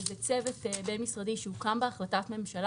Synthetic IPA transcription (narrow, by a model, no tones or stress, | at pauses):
bet͡sevetebenmisʁadiʃeukambeaχlatatme̞mʃal